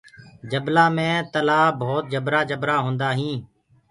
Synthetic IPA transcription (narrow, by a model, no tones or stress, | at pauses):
d͡ʒəblaːmẽːt̪əlaːbʱoːt̪̚d͡ʒəbɾaːd͡ʒəbɾaːɦõːnd̪aːɦĩː